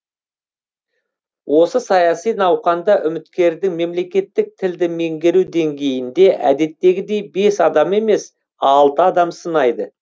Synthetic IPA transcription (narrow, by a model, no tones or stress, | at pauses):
wʔo̞səsɑjɑsijnɑwqɑnd̪ɑʔʏmɪt̪kʲe̞ɾd̪ɪŋme̞mle̞kʲe̞t̪ːɪk̚t̪ʰɪld̪ɪme̞ŋɡʲeɾud̪e̞ŋɡʲe̞jɪnd̪e̞ʔæ̰d̪e̞t̪ːe̞ɡʲɪd̪e̞jbe̞sɑd̪ɑme̞me̞s | ɑlˠt̪əɑd̪ɑmsənɑjd̪ə